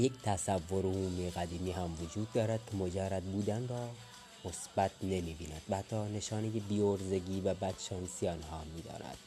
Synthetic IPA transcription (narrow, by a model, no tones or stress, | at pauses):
jekt̪ʰæsævːoɾohuːmiɣæd̪iːmiːɦæmvod͡ʒuːd̪ːɒːɾæd̪̥̚kʲʰemod͡ʒærːæd̪̚buːd̪ænrɒː | mosb̥æt̪ʰne̞miːbiːnæd̪̥væhæt̪ʰːɒːne̞ʃɒːnejebiːoɾze̞ɡiːvæbæd̪̥ʃɒːnsijɒːnhɒːmiːd̪ɒ̰ːnæ̰d̪̥